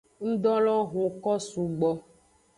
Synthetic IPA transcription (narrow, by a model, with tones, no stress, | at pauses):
ŋ̩˦ɖ̪ɔ˦lɔ˦ɣo˨kɔ˦su˨ɡ͡bɔ˨